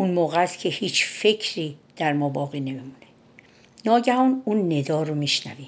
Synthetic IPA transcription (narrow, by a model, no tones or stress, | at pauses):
ʔunmoːɣæst̪cʲʰe̞hiːt͡ʃfe̞cʰɾiːd̪̥æɾmɒːbɒːɣiːne̞mimuːne | nɒːɟæhɒːnunːe̞d̪ɒːɾomiʃnæ̰viːm